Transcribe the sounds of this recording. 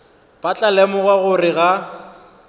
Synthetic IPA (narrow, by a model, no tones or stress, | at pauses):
pat͡ɬʼalɛmɔɣaɣʊrɪɣa